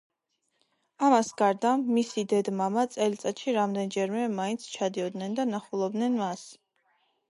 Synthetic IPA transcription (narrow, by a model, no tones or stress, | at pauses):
amasɡaɾd̪amːisid̪ɛd̪mamat̪sʼɛlt̪sʼat̪ʃiɾamd̪ɛnd͡ʒɛɾmɛmaint̪sʰt͡ʃʰad̪iɔd̪nɛnd̪anaχulˠɔb̚d̪nɛnmas